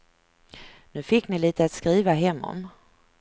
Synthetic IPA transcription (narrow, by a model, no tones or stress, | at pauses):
nʉ̟ːfɪkːnɪliːt̪əat̪skɾiːvaɦɛmːɔ̰m